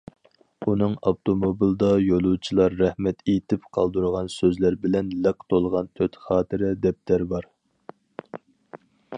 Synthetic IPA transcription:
unɨŋɑft̪ʰomobilˠd̪ɑjolˠut͡ʃʰilˠɑɾːɛhmɛt̪ʰet̪ʰɪpqʰɑlˠd̪uɾʁɑnsøzlæɾbɪlɛnlɛkt̪ʰolˠʁɑnt̪ʰøt̪χɑːt̪ʰɪɾɪd̪ɛp̚t̪ʰæɾbɑɾ

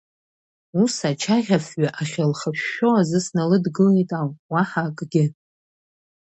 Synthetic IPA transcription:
usat͡ʃʰaʁʲafɥaʔaχʲalχaʃːowazɨsnalɨdɡɨlejtʼawwaħakʼɡʲɪ

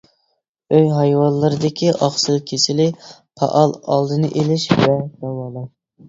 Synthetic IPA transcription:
øjɦɑjwɑlˠːɨɾɨd̪ɪkʲʰiʔɑχsɨlˠkʲʰesɪlɪpʰɑ̰ʔɑlˠɑlˠd̪ɨnɨʔelɪʃvɛd̪ɛwɑlˠɑ

